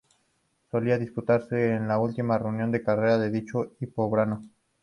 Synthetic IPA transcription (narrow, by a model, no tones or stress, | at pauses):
so̞liaðisput̪aɾse̞ːnlault̪imare̞unjo̞nd̪e̞kare̞ɾaðe̞ðit͡ʃoipoβɾano